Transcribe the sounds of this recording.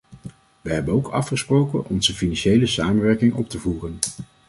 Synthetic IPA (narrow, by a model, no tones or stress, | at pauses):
ʋəɦɛbənowkɑfχəsprowkənʔɔnzəfinɑnʃejləsaːmənʋɛɹkɪŋʔɔp̚təvuːrən